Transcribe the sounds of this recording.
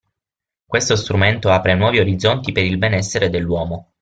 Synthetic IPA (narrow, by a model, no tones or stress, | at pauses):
kwest̪ost̪ɾument̪oapɾenwɔːvioɾid̪zːont̪ipeɾilbenɛsːeɾed̪elːwɔːmo